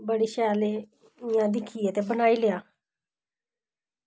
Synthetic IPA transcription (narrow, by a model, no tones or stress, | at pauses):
bəɽiːʃɛːleː | ɪjãːd̪ɪkʰːiːət̪eːbənaːiːlejaː